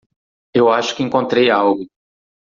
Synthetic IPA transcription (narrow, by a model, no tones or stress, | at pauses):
ewaʃʊ̥kɪẽŋkõnt̪ɾejawɡʊ